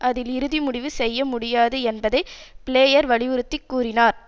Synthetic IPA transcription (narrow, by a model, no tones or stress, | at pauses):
ʔɐðɪlɪɾɯðimʊɽɪʋɯsɛjːɐmʊɽɪjaːðɯɛnbɐðɐɪpɪleːjɐɾʋɐɭɪʋɯɾɯt̪ːɪkːuːɾɪnaːɾ